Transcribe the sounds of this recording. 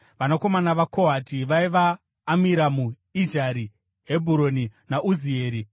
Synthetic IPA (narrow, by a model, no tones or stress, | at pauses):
ʋanako̞manaʋakoɦatʰiʋaiʋaː | miɾamu | iʒaɾi | ɦebʱuɾo̞ninaʔuzieːɾi